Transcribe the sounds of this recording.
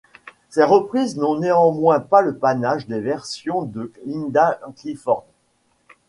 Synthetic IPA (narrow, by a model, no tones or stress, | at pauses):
seʁəpχiznɔ̃neɑ̃mwɛ̃paləpanaʒd̪evɛʁsjɔ̃d̪əlind̪aklifɔʁn